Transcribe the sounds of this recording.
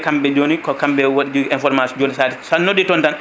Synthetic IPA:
kambɛd͡ʒoːnikɔkambɛwoɗid͡ʒɛnfɔɾmasd͡ʒonisaːtisanːoɗitɔntan

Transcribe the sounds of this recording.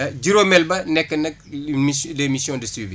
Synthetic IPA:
ɟiɾoːmɛlbɐnɛkːɐnɐk̚mislemisjɔ̃dəswivḭ

